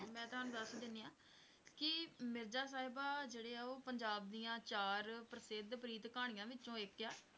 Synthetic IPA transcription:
mɛ̃ːt̪ʊɦaːnũːd̪əsd̪ɪniːãː | kɪmɪɾd͡ʒaːs̬aːɦɪbaːd͡ʒeːɽeːɛːoːpəɲd͡ʒaːb̚d̪ijãːt͡ʃaːɾpɾəsɪd̪pɾiːt̪kaːɽ̃ijãːʋɪt͡ʃt͡ʃõːɪkːɛː

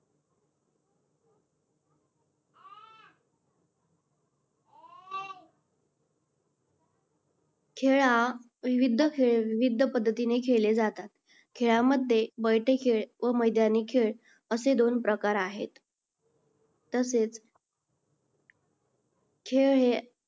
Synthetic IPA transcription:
kʰeɭa | ʋiʋid̪ʱəkʰeɭʋiʋid̪ʱəpəd̪ʱːət̪inekʰeɭled͡zat̪at̪ | kʰeɭaməd̪ʱːjebəjʈʰekʰeɭʋəməjd̪ʱjanekʰeɭ | əsed̪onpɾəkaɾaɦet̪ | əset͡s | kʰeɭe

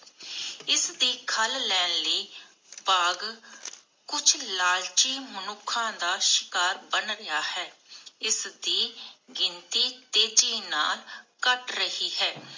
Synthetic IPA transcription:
ɪsd̪iːkʰəllɛːnləiː | baːɡ | kʊt͡ʃʰlaːlt͡ʃiːmənʊkʰːãːd̪aːʃɪ̥kaːɾbənɾɪjaːhɛːɪsd̪iːɡɪnt̪iːt̪eːd͡ʒiːna̰ːlkəʈɾəhiːɦɛː

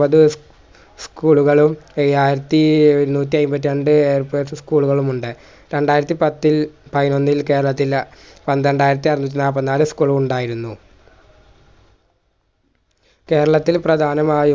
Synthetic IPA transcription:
ɐðɨ | skuːɭuɣɐɭumaːjiɾɐt̪ːiɾunuːt̬ːiɐjmbɐt̪̬ːiɐɳɖɨeːrpeːsskuːɭuɣɐɭumuɳɖɨ | ɾe̞ɳɖaːjiɾɐt̪ːipɐt̪ːilpɐðino̞nːilke̞ːɾɐɭɐt̪ːilpɐnd̪ɐɳɖaːjiɾɐt̪̬ːiɐɾnːuːt̬ʲːinaːpːɐnːaːlɨskuːɭumuɳɖaːjiɾunːu | ke̞ːɾɐɭɐt̪ːilprɐd̪ʱaːnɐmaːju

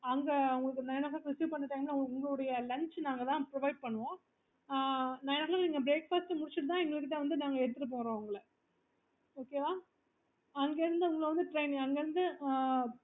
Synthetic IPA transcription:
ɐŋɡɐɐʊŋɡɐɭɯkːɯnaːjɐnaːɣlãkɾɪsjuːʋpɐɳːɐʈːaːŋɡɐnːaːʊŋɡɐɭɯɽɐjɐlɐɲt͡ʃnaːŋɡɐt̪ãːpɾɔʋɐɪɖ̚pɐɳːɯʋõː | naːjɐnaːlãːniːŋɡɐbɾeːkfaːsʈmʊɽɪt͡ʃːɪʈɯt̪ãːɛŋɡɐɭɯkːɯt̪ãːʋɐnd̪ɯnaːŋɡɐɛɽɯt̪ːɯʈɯp̬oːɾõːʊŋɡɐɭɐ | oːkeːʋaː | ɐŋɡeɪɾɯnd̪ɯʊŋɡɐɭʋɐnd̪ɯʈɾɐɪnɪŋɐŋɡɐɪɾɯnd̪ɯ

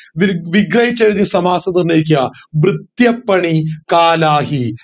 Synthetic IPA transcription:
ʋʋiɡɾɐɦit͡ɕːɐɾid̪isɐmaːsɐd̪ɐɾneːk̬jaːʋɾɨt̪jɐpːɐɳikaːlaːɦi

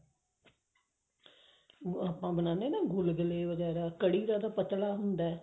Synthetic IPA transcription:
aːpːãːbənãːnd̪eːnãːɡʊlɡəleːʋəɡɛːɾaːkəɽiːɾãːd̪aːpət̪laːɦʊnd̪aː

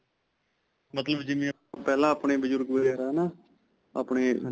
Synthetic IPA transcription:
mət̪ləbd͡ʒɪʋĩː | pɛːlãːaːpɳeːbəd͡ʒʊɾɡbəd͡ʒaːɾaːnaː | a̰ːpɳeː

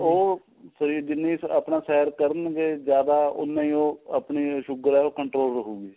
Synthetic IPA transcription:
oː | səɾiːɾd̪ɪniːsa̰pɳãːsɛːəɾkəɾənɡeːd͡ʒjaːd̪aːʊ̰nːãːĩːoːəpɳiːʃʊɡəɾɛːoːkəɳʈɾoːlɾəkuːɡiː

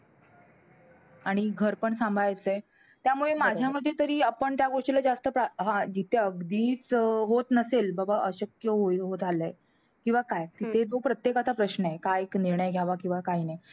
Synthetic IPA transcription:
aɽ̃iɡʱəɾpəɳsãmbʱajt͡sə | t̪jamuɭemad͡ʑʱjaməd̪ʱːjet̪əɾiːapəɳt̪jaɡoʂʈilad͡zast̪əpɾaɦãd͡ʑit̪ʰeəɡd̪iːt͡sɦot̪nəselbəbaʔəɕəkjəɦoɦod͡zʱaləe | kĩw̃ʋakajt̪it̪ʰed͡zopɾət̪jekat͡sapɾəɕnəekajekniɾɳəjɡʱjaʋakĩw̃ʋakaɦinaj

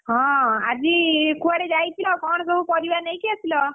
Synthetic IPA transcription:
ɦɔ̃ad͡ʑikʰuaɽed͡ʒajt̪ʰilɔkɔɳ̃sɔbupɔɾiʋanejkɛt̪ʰilɔ

